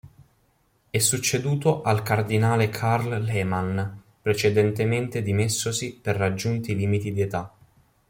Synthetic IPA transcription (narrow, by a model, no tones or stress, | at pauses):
ɛsːut͡ʃːed̪uːt̪oʔalkard̪inaːlekʰarllɛːman | pɾet͡ʃed̪ɛnt̪ement̪ed̪imesːosiperːad͡ʒːunt̪iliːmit̪id̪iet̪a